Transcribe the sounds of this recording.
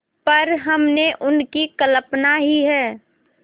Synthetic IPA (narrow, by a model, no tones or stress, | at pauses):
pəɾɦɐmneʔʊnkikələpnaɦiɦɛː